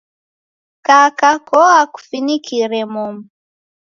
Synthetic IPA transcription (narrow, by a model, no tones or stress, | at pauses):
kakakɔaku̥finikiɾɛmum